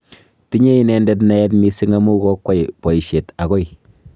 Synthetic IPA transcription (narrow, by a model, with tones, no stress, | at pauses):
ti˦ɲe˦i˦nɛ˨ndɛ˦t̬na˦ɛ˦t̬mi˦si˦ŋa˦mu˦kɔ˦kːwa˦˨jpɔ˨i˨ʃe˨ta˨kɔ˦j